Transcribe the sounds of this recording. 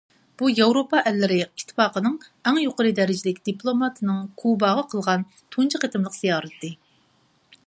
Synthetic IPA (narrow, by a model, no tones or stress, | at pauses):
b̥ujɑwɾopɑʔɛlːɪɾɪit̪ʰːɨ̥fɑːqənɨŋɛŋjoqəɾɨd̪ɛɾɪd͡ʒilɪkʲd̪̥iplˠomɑt̪ʰɨnɨŋkʰubɑʁəqʰəlˠʁɑn | t̪ʰunt͡ʃʰəqʰet̪ʰɪmlˠəqz̥ijɑːɾɨt̪ʰːɨ